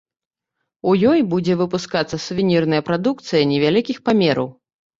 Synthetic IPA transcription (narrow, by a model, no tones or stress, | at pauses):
ujɔjbud͡zʲɛvɨpuskat̪sːɐsuvʲinʲirnɐjɐpɾad̪uk̚t̪sɨjɐnʲɛvʲalʲikʲixpamʲɛɾɐ̰w